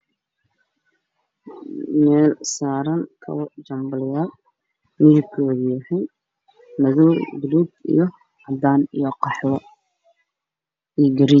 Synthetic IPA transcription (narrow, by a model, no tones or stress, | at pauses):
mɛːlsaːɾɐŋkʰɐ̰wd͡ʒɐmbɐlɪjaːl | mɪðɪkʰɔːðjɐhɛj | nɐðɔːd̪ʊluːd̪ḭjɞ | ʕɑd̪aːnḭjɔqɑħlɔ | iːɡɐɾi